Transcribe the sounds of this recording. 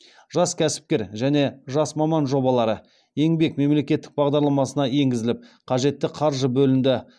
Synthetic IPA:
ʒ̥ɑskʲʰæsɪ̥p̚kʲe̞ɾʒæne̞ʒɑsmɑmɑnʒo̞bɑlˠɑɾə | e̞ŋbe̞kme̞mle̞kʲe̞t̪ːɪk̚bɑʁd̪ɑɾlˠɑmɑsənɑje̞ŋɡʲɪzɪlɪp̚qʰɑʒe̞t̪ːɪqʰɑɾʒəbɵlɪnd̪ɪ

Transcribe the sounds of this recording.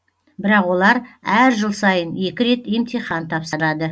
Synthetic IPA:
bɪɾɑqwo̞lˠɑɾæɾʒəlˠsɑjənje̞kʲɪɾe̞t̪emt̪ʰijχɑnt̪ʰɑpsəɾɑd̪ə

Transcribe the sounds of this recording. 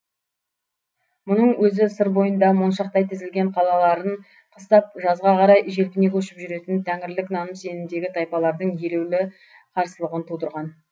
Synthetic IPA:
mʊnəɴwɵzɪsəɾbo̞jənd̪ɑmonʃɑqt̪ɑjt̪ʰɪzɪlɡʲe̞ɴqʰɑlˠɑlˠɑɾəɴ | qʰəst̪ɑp̚ʒɑzʁɑqʰɑɾɑjʒe̞lpʲɪne̞kʲʰɵʃɪpʒʏɾe̞t̪ɪnt̪ʰæŋɪɾlɪknɑnəmse̞nɪnd̪e̞ɡʲɪt̪ʰɑjpɑlˠɑɾd̪əɴje̞lewlɪ | qʰɑɾsəlˠəʁənt̪ʰud̪əɾʁɑn

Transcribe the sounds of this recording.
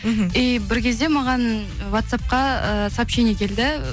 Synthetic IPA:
ɦejbɪɾkʲe̞zd̪e̞mɑʁɑn | wat̪sap̚qɑəsɑpʃenekʲʰe̞ld̪ɪ

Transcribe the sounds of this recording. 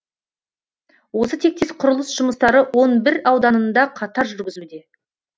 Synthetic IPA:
wo̞sət̪ʰe̞k̚t̪e̞sqʰʊɾʊlˠəsʒ̥ʊməst̪ɑɾəwo̞nbɪɾɑwd̪ɑnənd̪ɑqʰɑt̪ɑɾʒʏɾɡʲɪzud̪e̞

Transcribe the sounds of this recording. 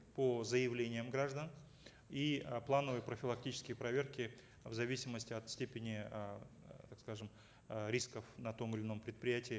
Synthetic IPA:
pozəjɪvlʲenʲɪjəmɡɾaʐd̪ən | iplˠanəvəjpɾəfʲɪlˠɐk̚tʲit͡ɕɪ̥skʲɪjəpɾɐvʲe̞rkʲɪ | vzɐvʲisʲɪməsʲtʲɪɐt̪sʲtʲepʲɪnʲɪ | t̪akskaʐɨm | ɾʲiskəfnɐt̪o̞mɨlʲɪno̞mpɾʲɪt̪̚pɾʲɪjætʲɪː

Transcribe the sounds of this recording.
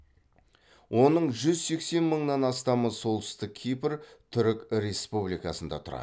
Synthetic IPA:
wʔo̞nəɴʒʏzse̞kse̞nməɴnɑnɑst̪ɑməso̞lˠt̪ə̥st̪ɪk̚ʲʰijpɾt̪ʰʏɾɪkʲɾe̞spublijkɑsənd̪ɑ̰t̪ʰʊɾɑ̰

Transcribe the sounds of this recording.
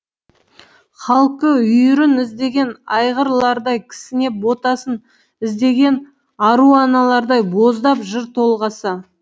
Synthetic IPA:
χɑlˠqəʏjʏɾɪnɪzd̪e̞ɡʲe̞nɑjʁəɾlˠɑɾd̪ɑjkʲʰɪ̥sɪne̞bo̞t̪ɑsən | ɪzd̪e̞ɡʲe̞n | ɑɾuɑnɑlˠɑɾd̪ɑjbo̞zd̪ɑpʒɪɾt̪ʰo̞lˠʁɑsə

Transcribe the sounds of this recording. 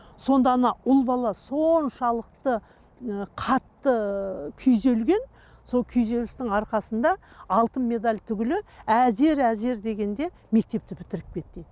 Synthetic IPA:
so̞nd̪ɑnɑʊlˠbɑlˠɑso̞nʃɑlˠəq̚t̪ə | qʰɑt̪ːəkʲʰʏjze̞lɡʲe̞n | so̞lˠkʲʰʏjze̞lɪst̪ɪŋɑɾqɑsənd̪ɑ | ɑlˠt̪ənme̞d̪alʲt̪ʰʏɡʲɪlɪæze̞ɾæze̞ɾd̪e̞ɡʲe̞nd̪e̞ | me̞k̚t̪e̞p̚t̪ɪpʰɪ̥t̪ɪɾɪp̚kʲʰe̞t̪ːed̪ɪ

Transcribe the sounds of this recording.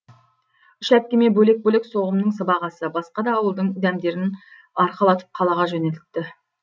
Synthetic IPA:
ʏʃæp̚kʲemebɵle̞k̚bɵlekso̞ʁəmnəɴsəbɑʁɑsəbɑsqɑd̪ɑːwəlˠd̪əɴʏd̪æmd̪e̞ɾɪn | ɑɾqəlˠɑt̪əp̚qʰɑlˠɑʁɑʒɵnelt̪ːɪ

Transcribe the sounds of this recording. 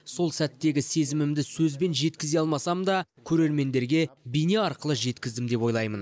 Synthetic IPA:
so̞lˠsæt̪ːe̞ɡʲɪse̞zɪmɪmd̪ɪsɵzbe̞nʒe̞t̪kʲɪzeɑlˠmɑsɑmd̪ɑkʲʰɵɾe̞ɾme̞nd̪e̞ɾɡʲe̞bijne̞ɑɾqəlˠəʒe̞t̪kʲɪzd̪ɪmd̪e̞pwo̞jlˠɑjmən

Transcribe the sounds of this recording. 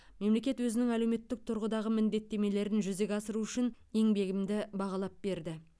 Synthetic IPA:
me̞mle̞kʲe̞t̪wɵzɪnɪŋæle̞wme̞t̪ːɪk̚t̪ʰʊɾʁəd̪ɑʁəmɪnd̪e̞t̪ːe̞me̞le̞ɾɪnʒʏze̞ɡʲɑsəɾuʏʃɪn | e̞ŋbe̞ɡʲɪmd̪ɪbɑʁɑlˠɑp̚be̞ɾd̪ɪ

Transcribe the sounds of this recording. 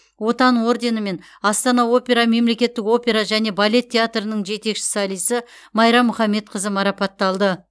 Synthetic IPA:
wo̞t̪ɑnwo̞rd̪e̞nəme̞n | ɑst̪ɑnɑwo̞pʲe̞ɾɑme̞mle̞kʲe̞t̪ːɪko̞pʲe̞ɾaʒæne̞balʲe̞t̪ʲʰːe̞at̪rənəɴʒe̞t̪e̞kʃɪ̥sɑlˠijsɪ | mɑjɾɑmːʊχɑmːe̞t̪̚qʰəzəmɑɾɑpɑt̪ːɑlˠd̪ə

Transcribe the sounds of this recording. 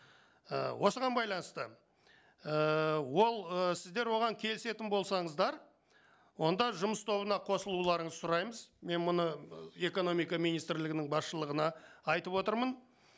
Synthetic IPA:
ə̰wʔo̞səʁɑnbɑjlˠɑnəst̪ə | əwo̞lˠəsɪzd̪e̞ɾwo̞ʁɑŋkʲʰe̞lɪse̞t̪ɪnbo̞lˠsɑɴəzd̪ɑɾ | wo̞nd̪ɑʒʊməst̪ʰo̞βənɑqʰo̞səlˠulˠɑɾəɴəzsʊɾɑjməzme̞nmʊnəe̞ko̞no̞mijkɑmijnijst̪ɾlɪɡʲɪnɪŋbɑsʃəlˠəʁənɑɑjt̪əpwo̞t̪əɾmən

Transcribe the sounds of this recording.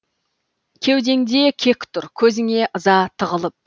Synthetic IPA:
kʲʰe̞wd̪e̞ŋd̪e̞kʲʰe̞kʲt̪ʰʊɾkʲʰɵzɪŋe̞ʔəzɑt̪ʰəʁəlˠəp̚

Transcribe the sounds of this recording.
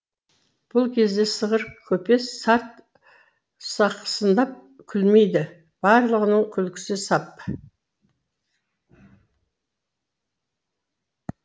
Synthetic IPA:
b̥ʊlˠkʲʰe̞zd̪e̞səʁəɾkʲʰɵpe̞sːɑɾt̪ | sɑqsənd̪ɑp̚kʲʰʏlme̞jd̪ɪ | b̥ɑɾlˠəʁənəɴkʲʰʏlkʲɪ̥sɪsɑp

